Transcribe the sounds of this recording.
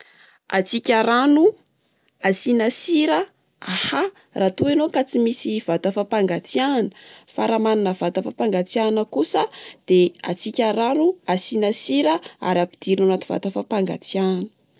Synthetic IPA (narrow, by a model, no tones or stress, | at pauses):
a̰t͡sikʲaɾanu | asinasiɾə | aha | raːt̪uenokat͡simisiv̥at̪afapaŋɡat͡sianəfaɾamaninəvat̪afapaŋɡat͡sianəkusəd̪̥ea̰t͡sikʲaɾanuasinasiɾəa̰ɾapi̥d̪̥iɾinanat̪u̥va̰t̪afapaŋɡa̰t͡sianə